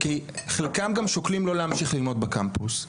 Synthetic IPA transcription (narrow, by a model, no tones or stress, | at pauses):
kiχelkamɡamʃoklimlo̞leamʃiχlilmo̞d̪̚bekampus